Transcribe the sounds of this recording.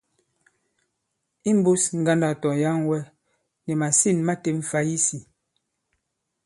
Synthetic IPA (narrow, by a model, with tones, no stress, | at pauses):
i˦m˦bu˦sŋ̩˦ɡa˦nda˨tɔ˨ja˦ŋwɛ˦ | nɛ˨ma˨si˦˨nma˦te˨ɱ̩˨fa˦ji˦si˨